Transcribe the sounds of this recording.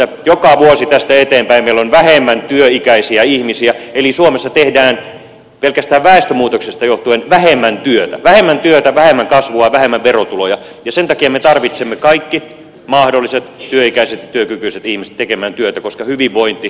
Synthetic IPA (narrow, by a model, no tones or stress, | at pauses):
æjokɑʋuosit̪æst̪æet̪eːmpæimmeilːonʋæhemːænt̪yøikæisiæihmisiæelisuomesːɑt̪ehdæːn | pelkæst̪æːʋʋæˑest̪ømuːt̪oksest̪ɑjoht̪uenʋæhemːænt̪yøt̪æ̰ʋæhemːænt̪yøt̪æʋæhemːæŋkɑsʋuɑʋæhemːæʋʋerot̪ulojɑ | jɑsent̪ɑkiɑmet̪ɑrʋit̪semːekɑikːi | mɑhdolːˑiset̪t̪yøikæiset̪jɑt̪yøkykyiset̪ihmise̥t̪ekemæːnt̪yøt̪ækoskɑhyʋiʋʋoint̪i